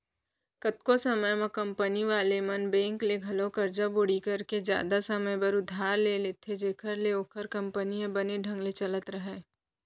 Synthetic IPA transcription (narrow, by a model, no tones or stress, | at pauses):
kət̪kosəməjmẽkɐ̃mpəniʋaːlemɐnbɛ̃ːŋkleɡʱɐlõkəɾd͡ʒabʊɽikɐɾked͡ʒja̰ːd̪asəməjbəɾʊd̪ʱːaːɾlelet̪ʰed͡ʒeːkʰəɾleoːkʰəɾkɐ̃mpəniẽbəneɖʱə̃ŋɡlet͡ʃələt̪ɾəɦɛː